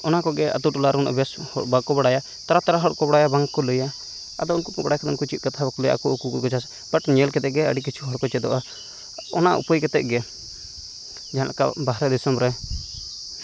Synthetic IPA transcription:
ɔnakɔɡɛʔa̰t̪uʈɔlaɾuna̰bɛshɔ̰ʔbakɔbaɽaja | t̪aɾat̪aɾaɦɔɽkɔbaɽajabaŋkɔləja | a̰d̪ɔunkɔpbaɽajkʰad̪ɔnkɔt͡ʃit̪̚kat̪ʰabakɔlɔjaʔkuɔkukukɔt͡ʃas | b̥aʈɲɛlkɛt̪ɛʔɡɛəɽikit͡ʃʰuɦɔɽkɔt͡ʃɛd̪ɔʔa | ɔnaṵpəjkɛt̪ɛ̰ʔ̚ɡɛ | d͡ʒaɦãlʔa̰ka̰baɦɾɛd̪isɔmɾɛ

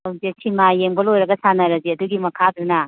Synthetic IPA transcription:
ɐwzetʰimajembɐlojɾɐɡɐsanɐɾɐziɐduɡimɐkʰadɾunɐ

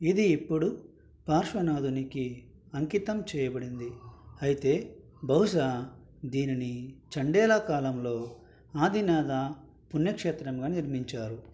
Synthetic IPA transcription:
id̪iːpːuɽu | paːɾʂʋɐnaːd̪uniki | ɐŋkit̪ɐmt͡ʃɛːjɐbɐɽind̪iɐjit̪e̞ː | bɐɦuʃaː | d̪iːninit͡ʃɐɳɖɛːlɐkaːlɐmlo̞ː | aːd̪ʱinaːd̪a | punːjɐkʂeːt̪ɾɐmɡaːniɾmiɲt͡ʃaːɾu

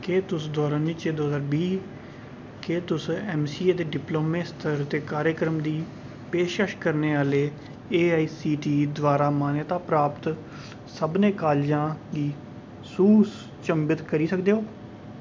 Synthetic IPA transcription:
keːt̪ʊsd̪ɔːɾaːniːt͡ʃeːd̪oːɦzaːɾbiː | keːt̪ʊsɛːmsiːeːt̪eːɖɪploːmẽːst̪ʰəɾt̪eːkaːɾjəkɾəmd̪iː | peːʃəʃkəɾneːaːleː | eːaːiːsiːʈiːd̪ʋaːɾaːmaːnjət̪aːpɾaːpt̪ | səbnẽːkaːld͡ʒãːɡiː | suːs | t͡ʃəmbət̪kəɾiːsəkd̪eːɦoː

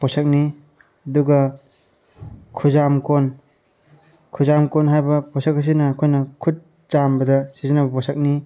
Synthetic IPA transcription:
pɔsɐk̚ni | ɐduɡɐ | kʰuzamkon | kʰuzamkonɦajbɐpɔsɐk̚ɦas̬inɐːkʰojnɐkʰut̚ | t͡ʃambɐdɐsizinɐbɐpɔsɐk̚ni

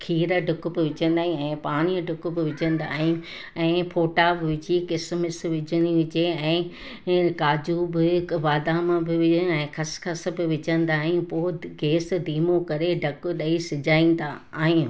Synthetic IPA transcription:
kʰiːɾəɖʱʊkʊ̆bɪʋɪd͡ʑə̃nd̪aːɦĩɛ̃ːpaːɽ̃iəɖʱʊkʊ̆bɪʋɪd͡ʑə̃nd̪aːɦɪ̃ | ɛ̃ːfʰoːʈabɪʋɪd͡ʑikɪsmɪs̆ʋɪd͡ʑəniʋɪd͡ʑeɛ̃ː | kaːd͡ʑubɪʋaːd̪amãbɪʋɪɛ̃ːkʰɐskʰɐs̆bɪʋɪd͡ʑə̃n̆d̪aːɦĩũpoːɡeːsd̪iːmokɐɾeɖʱɐkʊɗɐisɪd͡ʑaːĩːn̆d̪aaːɦĩ

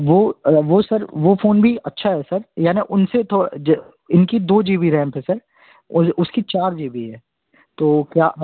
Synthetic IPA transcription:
ʋoːʋosɐɾʋofʰoːnbʱiʔɐtːʃʰaɦɛsɐɾjaːniʔʊnset̪ʰod͡ʒ | ɪnkid̪oːd͡ʒiːbiɾɛ̃ːmpɦɛ̃sɐɾ | ʊʊskit͡ʃaːɾd͡ʒiːbiɦɛː | t̪oːkjaː

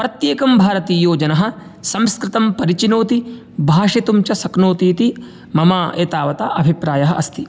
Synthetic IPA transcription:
pɾɐt̪jeːkɐmbʱaːɾɐt̪iːjoːd͡ʒɐnɐɦɐ̆ | sɐmskɾɪt̪ɐmpɐɾit͡ʃinoːt̪i | bʱaːʂet̪umt͡ʃɐsɐknoːt̪iːt̪i | mɐmaːʔeːt̪aːʋɐt̪aʔɐbʱipɾaːjɐɦɐʔɐ̰st̪ʰi

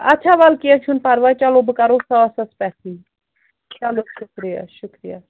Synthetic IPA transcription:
ɐtːʃʰaːʋalkiat͡ʃʰunpɐɾʋat͡ʃɐlobɨkɐɾosaɐsɐspɛːsi | t͡ʃɐloʃʊkɾija̰ʃʊkɾija̰

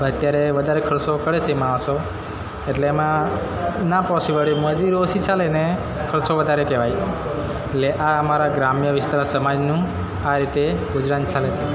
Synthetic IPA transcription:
ət̪jaɾeʋəd̪ʱaɾekʰəɾsokəɭet͡ʃʰemãːʋʃo | eʈleːmã | napɔsibəɭeməd̪iɾosit͡ʃalene | kʰəɾsoʋəd̪ʱaɾekɛʋaje | eʈleʔaəmaɾaɡɾamjəʋɪst̪aɾasəmad͡ʒnũ | aɾit̪eɡʊd͡ʒɾant͡ʃalet͡ʃʰe

